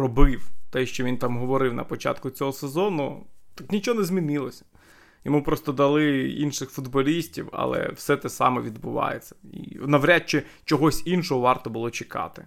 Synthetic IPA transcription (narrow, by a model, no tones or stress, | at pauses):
rɔbɪwt̪ɛʃt͡ʃɔʋint̪ɑmɦɔʋɔɾɪwnɐ̰pɔt͡ʃɑ̰t̪kʊt͡sʲɔɦɔsezɔnʊt̪aknʲit͡ʃɔɔnɛzʲmʲinɪlˠɔsʲɐ̥ | jɔmupɾɔst̪ɔd̪ɐlˠɪḭnʃɪxfʊd̪bɔlʲisʲtʲiwɐ̰lˠɛ̰wsɛt̪ɛsɑ̰mɛʋʲid̪bʊʋɑ̰jet͡sʲːɐ̥ḭnɐʋɾʲat̚t͡ʃɪ | t͡ʃɔɦɔsʲinʃɔɦɔʋɑrt̪ɔbʊlˠɔt͡ʃɪkɑ̰t̪ɪ